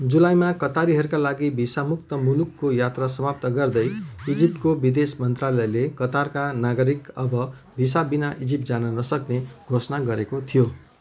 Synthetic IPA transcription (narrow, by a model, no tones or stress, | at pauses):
d͡zulajmakʌt̪aɾiɦʌɾukalaɡibʱisamuk̚t̪ʌmulukːojat̪rasʌmap̚t̪ʌɡʌrd̪ʌjid͡zip̚t̪̚kobid̪esmʌnt̪ralʌjlekʌt̪arkanaɡʌɾikʌbʌ | bʱis̬abinaʔid͡zip̚d͡zanʌnʌsʌkneɡʱosʌnaɡʌɾekot̪ʰijo